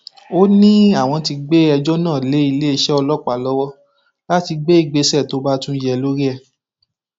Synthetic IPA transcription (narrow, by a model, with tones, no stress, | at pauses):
o˦nĩ˦a˦˨w̃ɔ̃˧ti˧ɡ͡be˦ɛ˧d͡ʒɔ˦nãː˦˨le˨˦i˧le˦i˧ʃɛ˦ɔ˧lɔ˦k͡pa˨lɔ˦wɔ˦ | la˦ti˧ɡ͡be˦i˦˧˨ɡ͡be˧sɛ˦˨to˨˦ba˦tũ˦jɛ˧lo˦ɾi˦ɛ˦˨